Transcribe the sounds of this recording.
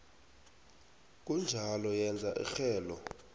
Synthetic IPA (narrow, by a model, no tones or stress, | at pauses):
k̬und͡ʒʱalɔjɛnd͡zʱaʔḭxɛːlɔ